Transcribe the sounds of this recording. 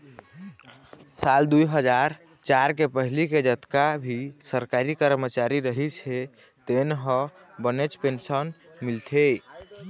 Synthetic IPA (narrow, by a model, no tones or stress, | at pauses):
sald̪ujɦəd͡ʒaɾ | t͡ʃaɾkepəɦiliked͡ʒət̪kabʱisəɾkaɾikəɾmət͡ʃaɾiɾəɦit͡ʃʰe | t̪enɦə̃ | bənet͡ʃpensən | milt̪ʰe